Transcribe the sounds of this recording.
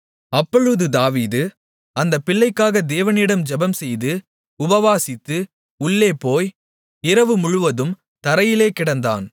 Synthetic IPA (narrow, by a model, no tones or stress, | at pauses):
ɐpːɔɻɯðɯd̪aːʋiːðɯ | ɐnd̪ɐpːɪɭːɐɪkːaːɣɐd̪eːʋɐnɪɽɐmd͡ʒɛbɐmsɛjðɯ | ʊbɐʋaːsɪt̪ːɯ | ʊɭːeːpoːj | ɪɾɐʋɯmʊɻʊʋɐðɯm | t̪ɐɾɐjɪleːkɪɽɐnd̪a̰ːn